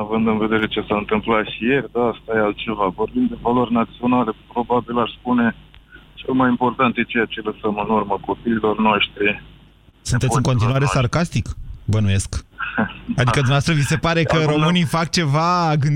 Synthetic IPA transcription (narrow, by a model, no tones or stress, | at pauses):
avɨnd̪ɨnve̞d̪e̞ɾe̞t͡ʃe̞saɨnt̪ɨmplat̪ʃije̞rʲd̪ast̪ajealt̪t͡ʃe̞vavo̞rbimd̪e̞valo̞rʲnat̪sio̞nale̞pɾo̞babilaʃʲspune̞t͡ʃe̞lmajimpo̞rt̪ant̪jet͡ʃe̞jat͡ʃe̞ləsəmɨnurməko̞piːlo̞rnoʃt̪ɾi | sunt̪eɨɨŋko̞nt̪̬inuaɾe̞sarkast̪ikbənuje̞sk | ad̪ikəd̪umast̪ɾəvise̞paɾe̞kəɾo̞mɨnifak̚t͡ʃe̞vaɡɨn